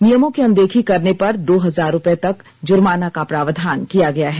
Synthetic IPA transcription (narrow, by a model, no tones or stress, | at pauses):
nijəmõkeɐ̃nd̪eːkʰikɐɾnepɐɾd̪oːɦɐzaːɾːʊpet̪ɐk | d͡ʒʊɾmaːnakapɾaːʋd̪ʱaːnkijaɡɐjaɦɛː